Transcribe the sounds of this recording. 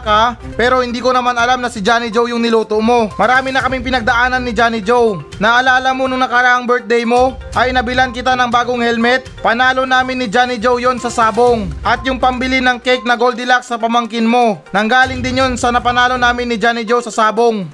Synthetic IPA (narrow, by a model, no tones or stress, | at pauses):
ka | pɛːɾo̞hɪnd̪iːko̞nɐmanɐlamnɐsɪd͡ʒaːnɪd͡ʒowjʊŋnɪluːt̪oʔmo̞mɐɾaːmɪnɐkɐmɪŋpɪnɐɡ̚d̪ɐʔaːnɐnːɪd͡ʒaːnɪd͡ʒow | nɐʔɐlaːlɐmonʊŋnɐkaɾaʔɐŋbɛɹt̪̚d̪ɛjmo̞ | ʔɐjʔɪnɐbɪlankɪt̪anɐŋbaːɡoŋhɛlmɛt̪̚pɐnaːlo̞naːmɪnːɪd͡ʒaːnɪd͡ʒowjo̞nsɐsaːboŋʔɐt̪̚jʊŋpɐmbɪlɪnɐŋkɛjk̚nɐɡold̪ɪlak̚sːɐpɐmɐŋkɪnmo̞nɐŋɡaːlɪŋd̪ɪnjonsɐnɐpɐnaːlo̞naːmɪnːɪd͡ʒaːnɪd͡ʒowsɐsaːboŋ